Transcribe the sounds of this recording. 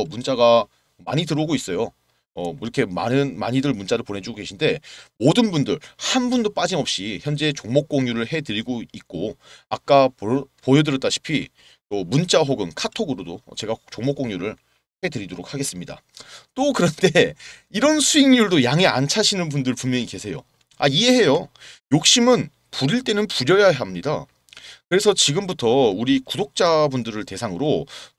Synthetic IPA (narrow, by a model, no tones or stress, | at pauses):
ʌmunt͡ɕ͈aɡa | ma̰ɲitɯɾʌɡois͈ʌjo | ʌiɾʌkʰe̞ma̰nɯnma̰ɲidɯɭmunt͡ɕ͈aɾɯɭpone̞d͡ʑuɡoɡe̞ɕʰinde̞modɯnbundɯɭhanbundop͈ad͡ʑimʌp̚ɕ͈içjʌnd͡ʑe̞t͡ɕoŋmok͈oŋjuɾɯɭhe̞dɯɾiɡoit̚k͈oak̚k͈appojodɯɾʌt͈aɕʰi̥pʰi | tomunt͡ɕ͈aɦoɡɯnkʰatʰoɡɯɾodo̰t͡ɕe̞ɡat͡ɕoŋmok͈oŋjuɾɯɭ | he̞tɯɾidoɾok̚haɡes͈ɯmɲida̰ | t͈okɯɾʌnde̞iɾʌnsʰuiŋɲuɭdojaŋea̰nt͡ɕʰaɕʰinɯnp̬undɯɭpummjʌɲike̞sʰe̞jo̰ | aie̞he̞jojok̚ɕ͈imɯn | puɾiɭt͈e̞nɯnpuɾjʌjaɦamɲida̰ | kɯɾe̞sʰʌt͡ɕiɡɯmbutʰʌuɾikudok̚t͡ɕ͈abundɯɾɯɭte̞sʰaŋɯɾo